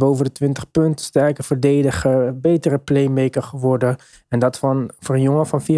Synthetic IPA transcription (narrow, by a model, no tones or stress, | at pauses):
bowvədətʋɪntəχpɵntɪ̥stɛləkəvəɹdejdəχəbejtərəplejmejkəχəʋɔɹdə | ɛndɑtfnforənjoŋəfɑnfiː